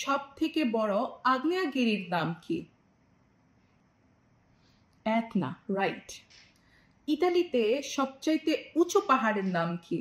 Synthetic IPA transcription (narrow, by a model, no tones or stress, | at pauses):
ʃɔb̚t̪ʰekebɔɽoaɡnijaɡiɾiɾnamkḭ | ɛkna̰ɾajʈ | iʈalit̪eʃɔb̚t͡ɕajt̪eut͡ɕʰopaɦaɾeɾnamkʰi